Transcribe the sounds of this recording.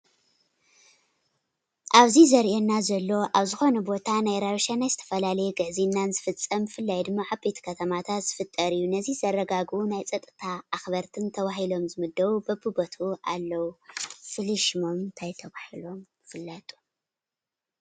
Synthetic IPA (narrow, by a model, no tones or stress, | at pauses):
ʔaβzizɐɾʔenːazɐlːo̞ʔaβzɨxo̞nɐbo̞t̪ʰanajɾaβʃanajzɨt̪ʰɐ̥fɐlalɐjɛɡɐʕzinːanzɨfɨt͡sʼːɐmɨfɨlːajd̪ɨmːaʕabe̞t̪ʰkʰɐt̪ʰɐmat̪ʰat̪z̥ɨfɨt̪ʼːɐɾijːunɐzizɐrːɐɡaɡunajt͡sʼɐt̪ʼːɨt̪ʰaːxβɐɾt̪ʰɨnt̪ʰɐβaɦilo̞mzɨmɨd̪ːɐwubɐbɨbot̪ʰɐuʔa̰lːɐwufɨliʃmo̞mt̪ʰajt̪ʰɐβahilo̞m | ɨfɨlːɐt̪ʼu̥